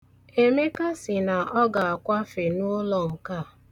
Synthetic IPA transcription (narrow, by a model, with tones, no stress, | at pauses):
e˦me˦ka˦sɪ˨na˨ʔɔ˦ɡa˨a˨kʷa˦fe˨nʊ˦lɔ˨ŋ̩˨ka˦˨